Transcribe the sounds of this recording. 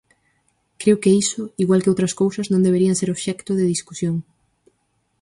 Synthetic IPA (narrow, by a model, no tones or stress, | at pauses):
kɾewkeisʊiɣwalkeɪowt̪ɾɐskowsɐznõŋd̪eβeɾiɐnseɾoβʃɛkt̪ʊðɪðiskusjoŋ